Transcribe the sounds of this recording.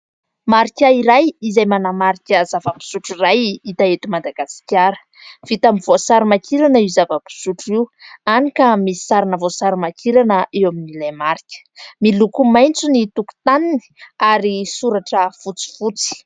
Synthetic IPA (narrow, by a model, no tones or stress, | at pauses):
maɾikʲaiɾajizajmanamaɾikʲəzavəpi̥suʈ͡ʂirajit̪aet̪umad̪aɡasi̥kʲaɾə̥ | v̥it̪amivosaɾimakʰiɾanəizavəpi̥suʈ͡ʂiwanikʲamii̥saɾanəvosaɾimakʰiɾanəʔewaminilajmaɾikʲə̥milukumajnt͡sunit̪uku̥t̪anini̥aɾisuɾaʈ͡ʂəfut͡si̥fut͡si̥